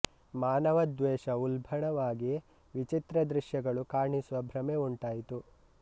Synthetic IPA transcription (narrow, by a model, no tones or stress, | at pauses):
maːnɐʋɐd̪ʋeːʃɐulbʱɐɳɐʋaːɡi | ʋit͡ʃit̪ɾɐd̪ɾiʃjɐɡɐɭukaːɾɳisuʋɐbʱɾɐmeuɳʈaːjit̪u